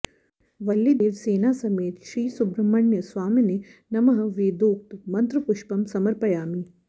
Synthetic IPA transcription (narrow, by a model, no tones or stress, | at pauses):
ʋɐlːid̪eːɾseːnaːsɐmeːt̪ʃɾiːsubɾɐmːɐɳjɐsʋaːminenɐmɐɦɐ̆ʋeːd̪oːk̚t̪mɐnt̪ɾupuʃpɐmsɐmɐɾpɐjaːmi